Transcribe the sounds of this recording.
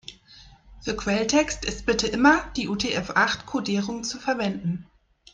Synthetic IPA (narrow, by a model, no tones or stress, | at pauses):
fyːɐkʰv̥ɛltʰɛkstɪst̚b̥ɪtəʔɪmɐd̥iːʔuːtʰeɛfʔaχtkʰodiːʁʊŋt͡sufɛɐvɛndn̩